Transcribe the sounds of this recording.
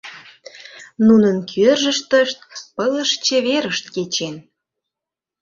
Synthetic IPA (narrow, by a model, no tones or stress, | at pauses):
nunənkʰørʒə̆ʃt̪əʃt̪̚pələʃt͡ɕeβeɾəʃt̪ket͡ɕen